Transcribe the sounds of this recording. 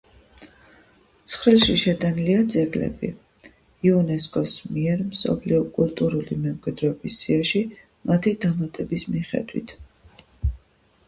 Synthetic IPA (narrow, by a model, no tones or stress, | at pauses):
t̪sʰχɾilˠʃiʃɛt̪ʼaniliad̪zɛɡlɛ̰bḭ | iunɛskʼɔsmiɛɾmsɔ̰bliɔkʼult̪ʼuɾulimɛmkʼwɛd̪ɾɔːbisːiaʃi | mat̪ʰid̪amat̪ʼɛbismiχɛ̰d̪wḭt̪ʰ